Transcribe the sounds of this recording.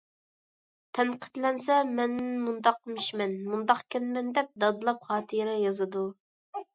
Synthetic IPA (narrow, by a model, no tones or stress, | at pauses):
t̪ʰɛnqʰə̥t̪lɛnsɛmɛnːmund̪ɑq̚miʃmɛnmund̪ɑqkʲɛnmɛnd̪ɛp̚d̪ɑd̪ɨlˠɑpχɑːt̪ʰɨɾɛjɑzɨd̪u